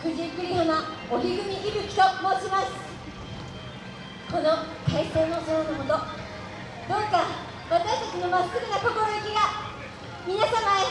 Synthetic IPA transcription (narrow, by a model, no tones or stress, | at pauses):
kɯ̟ʑikːɯ̟ɾʲihamaoçʲiɡɯ̟mʲiʔibɯ̟kʲi̥t̪omo̞ːt͡ɕimasɨ̥ | ko̞no̞kʰaiseːnosonanomot̪o | d̪oka | βat̪aɕt̪at͡ɕino̞masɨɾʲinako̞koɾojɯkʲiɡa | mʲinasama